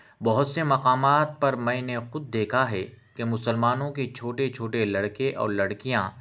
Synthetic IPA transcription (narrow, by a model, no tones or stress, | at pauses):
bɐɦʊt̪semɐqaːmaːt̪̚pɐɾmɛ̃ːnexʊd̪̚ːeːkʰaɦɛ | kemʊsəlmaːnõket͡ʃʰoːʈet͡ʃʰoːʈelɐɽkeʔɔ̰ːɾlɐɽkijãː